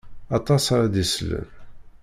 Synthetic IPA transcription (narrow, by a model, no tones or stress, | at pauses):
ɑt̪ˤɑsɾæd̪islə̰n